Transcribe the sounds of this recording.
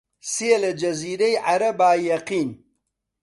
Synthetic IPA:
selɐd͡ʒɐziːɾɐjʕaɾɐbaːjɐqiːn

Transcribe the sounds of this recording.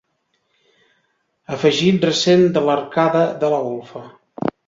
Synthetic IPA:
əfəʒit̪rəsend̪ələɾkaðəðələɣolˠfə

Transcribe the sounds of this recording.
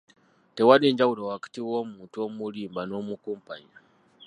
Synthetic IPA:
tewadeːɲɟawulowakḁtiwomuːntuomuɾiːmbano̞mukuːmpaɲa

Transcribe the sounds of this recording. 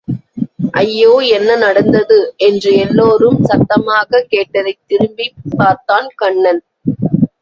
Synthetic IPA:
ʔɐjːoːɛnːɐnɐɽɐnd̪ɐðɯʔɛndrɯɛlːoːrɯmsɐt̪ːɐmaːɣɐkeːʈːɐðɐɪt̪ːɪɾɯmbipːaːɾt̪aːnkɐɳːɐn

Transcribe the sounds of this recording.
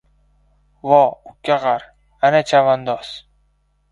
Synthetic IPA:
vɒʊkʲʰːaʁaɾ | anat͡ʃʰavand̪ɒs

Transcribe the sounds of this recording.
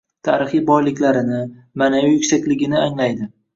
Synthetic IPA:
t̪ʰa̰ɾɪχijbɒjlɪkʲlaɾɪnɪ | manavijʊkʲsakʲlɪɡʲɪnɪaŋlajd̪ɪ

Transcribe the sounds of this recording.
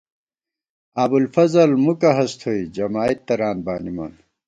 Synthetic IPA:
ɐbulfɐzɐlmukɐɦɐst̪ʰoid͡ʑɐmaːit̪ːɐɾaːnbaːnimɐ̰n

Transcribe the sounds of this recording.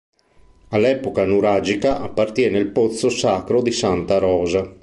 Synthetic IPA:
alːɛːpokanuɾad͡ʒikaʔapːart̪jɛːneilpot̪sːosaːkɾod̪isant̪aɾɔːza

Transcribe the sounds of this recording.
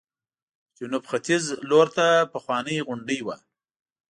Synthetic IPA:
d͡ʒʊnubxat̪izloɾt̪apəxwɑnəjɣʊɳɖəjwa

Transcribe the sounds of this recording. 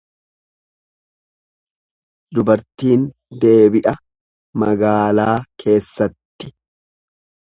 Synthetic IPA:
d̪ʊbɐɾt̪iːn | d̪e̞ːbɪʔɐ | mɐɡaːlaːkʰe̞ːsːɐt̪ːɪ̥

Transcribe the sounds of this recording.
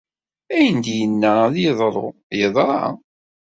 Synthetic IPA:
æjənd̪jənːæðjəðˤɾˤo | jəðˤɾˤɑ̰

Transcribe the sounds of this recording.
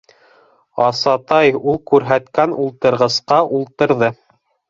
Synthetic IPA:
ɑsɑt̪ɑjulˠkʉɾɦæt̪kænulˠt̪ɤ̆ɾʁɤ̆sqɑʔulˠt̪ɤ̆ɾðɤ

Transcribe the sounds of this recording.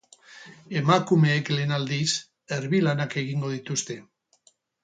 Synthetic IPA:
e̞makume̞ːkle̞ːnald̪is | eɾβilanake̞ɣ̞iŋɡo̞ð̞it̪ust̪e̞

